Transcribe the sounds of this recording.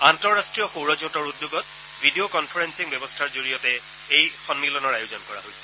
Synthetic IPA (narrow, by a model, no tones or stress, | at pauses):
antɔɹːastɹijɔxowɹɔzotɔɹudːjuɡɔt̚ | vʱidiokɔnpʰɔɹɛnsiŋbɛbɔstʰaɹzoɹijɔtɛ | ejxɔnmilɔnɔɹajʊzɔnkɔɹa̰ɦojsɛ̥